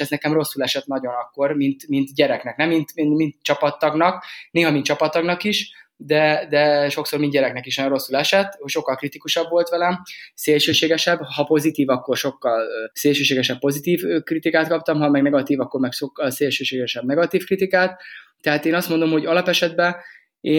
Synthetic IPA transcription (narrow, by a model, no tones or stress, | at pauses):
ɛznɛkɛmro̞sːulɛʃɛt̪nɒɟo̞nɒkːo̞rmint̪mint̪ɟɛɾɛknɛknɛmːint̪mimint̪t͡ʃɒpɒt̪ːɒɡnɒkneːɦɒmint̪t͡ʃɒpɒt̪ːɒɡnɒkiʃd̪ɛd̪ɛʃo̞ksoːrmind̪ɟɛɾɛknɛkiʃnɒjoɾro̞sːulɛʃɛt̪ːʃo̞kːɒlkrit̪ikuʃɒbʋo̞lt̪ʋɛlɛmseːlʃøːʃeːɡɛʃɛbhɒpo̞zit̪iːvɒkːo̞rʃo̞kːɒlseːlʃøːʃeːɡɛʃɛp̚ːpo̞zit̪iːvkrit̪ikaːt̪̚kɒp̚t̪ɒmɦɒmɛɡnɛɡɒt̪iːvɒkːo̞rmɛkʃokːɒlseːlʃøːʃeːɡɛʃɛbnɛɡɒt̪iːfkrit̪ikaːt̪t̪ːɛɦaːt̪eːnɒst̪mo̞nd̪o̞mho̞ɟɒlɒpɛʃɛd̪bɛ | eː